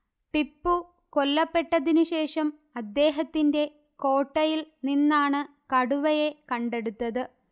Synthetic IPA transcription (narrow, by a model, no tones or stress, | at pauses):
ʈipːu | ko̞lːɐpːe̞ʈːɐðinuɕe̞ːʂɐm | ɐd̪ːe̞ːɦɐt̪ːinde̞ | ko̞ːʈːɐjilninːaːɳɨ | kɐɽuʋɐje̞kɐɳɖe̞ɽut̪ːɐðɨ